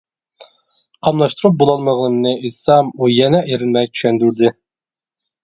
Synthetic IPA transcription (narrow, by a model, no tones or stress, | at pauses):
qʰɑmlˠɑʃt̪uɾup̚bolˠɑlˠməʁnɨmnɨʔisɑmujɛnɛʔeɾɪnmɛjt͡ʃʰy̥ʃɛnd̪yɾd̪ɪ